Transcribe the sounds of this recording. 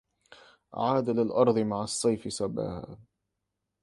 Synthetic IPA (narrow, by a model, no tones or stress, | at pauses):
ʔʕaːd̪alɪlʔɑɾˤðˤɨmaʕɑsˤːɑjfɪsaba̰ːha̰ː